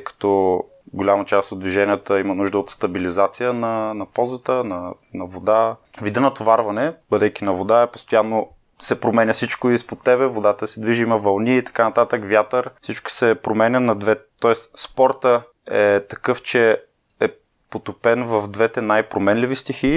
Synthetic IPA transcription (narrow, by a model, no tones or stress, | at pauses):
kɐ̥t̪ɔ | ɡolʲamɐt͡ʃast̪od̪̚d̪viʒɛnʲijət̪əimɐnuʒd̪əot̪st̪ɐbilizat̪sijənɐnɐpɔzət̪ənɐ | nɐvod̪avid̪ɛnɐt̪ovaɾvɐnɛbəd̪ɛkinɐvod̪aɛpo̥st̪ojanːo | sɛpɾomɛnʲɐfsit͡ʃkoispot̪ːɛbɛvod̪at̪əsɛd̪viʒəimɐvɐlˠniːt̪ɐ̥kanɐt̪at̪əkvjat̪əɾfsit͡ʃkʊ̥sɛpɾomɛnʲənɐd̪vɛt̪ɔɛsspɔɾt̪ə | ɛt̪ɐkɤft͡ʃɛ | ɛ | pot̪opɛnvɐvd̪vɛt̪ɛnajpɾomɛnlivist̪ixi